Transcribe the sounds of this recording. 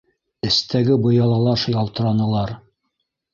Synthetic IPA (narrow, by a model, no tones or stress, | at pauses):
ɘ̆st̪æɡɘbɤ̆jɑlˠɑlˠɑʃjɑlˠt̪ɤ̆ɾɑnɤ̆lˠɑɾ